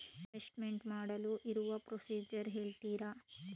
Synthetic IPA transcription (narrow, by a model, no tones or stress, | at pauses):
esʈmeɳʈmaːɽɐluʔiɾuʋɐpɾosiːd͡ʒɐɾɦeːɭt̪iːɾɐ